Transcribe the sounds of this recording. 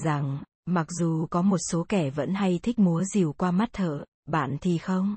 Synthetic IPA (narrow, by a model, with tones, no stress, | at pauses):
za˨˩ŋ | ma˨˩k̚zu˨˩kɔ˨˦mo˨˩t̚so˨˦kɛ˧˩və̰˧˥nha˧jt̪ʰi˦˥k̟̚mu˨˦əzi˨˩wkwaː˧ma˦˥t̚t̪ʰə̰ː˧˨ | ɓa̰ː˧˨nt̪ʰi˨˩xə˧wŋ͡m